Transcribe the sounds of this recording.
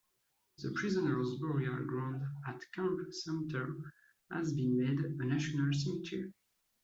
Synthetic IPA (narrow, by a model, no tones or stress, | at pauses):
ðəpʰɹizə̃nəɹzbɔɹiə˞ɡɹãndatkʰãmpsɛ̃mtʰə˞ | ha̰zbĩnmedənaʃɔnalsɛmitʰiɹ